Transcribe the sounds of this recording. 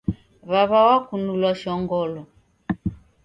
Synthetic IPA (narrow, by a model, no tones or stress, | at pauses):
βaβawakunulaʃɔŋɡɔlɔ